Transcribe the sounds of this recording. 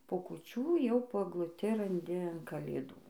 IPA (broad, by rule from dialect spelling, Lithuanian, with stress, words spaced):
poː kʊˈt͡ʃʲuː jɛʊ poː ɛɡlˠʊˈtʲɪ rɐnʲˈdʲɪ ɐn kɐlʲeːˈduː